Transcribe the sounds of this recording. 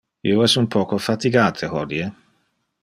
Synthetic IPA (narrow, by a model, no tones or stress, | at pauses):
ḭoɛsumpʰɔːkofat̪iɡaːt̪ʰehɔd̪ie